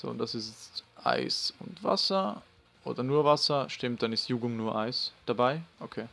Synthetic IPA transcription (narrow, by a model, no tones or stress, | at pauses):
z̥o̰ːʊntd̥asɪstt͡stʔa̰ɪsʊntv̥a̰sɐ | ʔoːdɐnuːɐvasɐʃtɪmt̚d̥anɪstjuːɡʊŋnuːɐʔaɪsd̥abaɪʔokʰeː